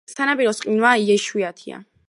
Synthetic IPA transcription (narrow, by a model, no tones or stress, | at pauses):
t̪ʰanapʼiɾɔsqʼinwaiɛʃwiat̪ʰia̰